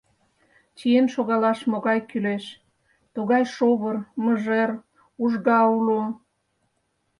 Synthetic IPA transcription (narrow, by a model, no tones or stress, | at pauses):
t͡ɕijenʃoɣɑlɑʃmoɣɑjkyleʃ | t̪uɣɑjʃoβərməʒer | uʒɣɑulo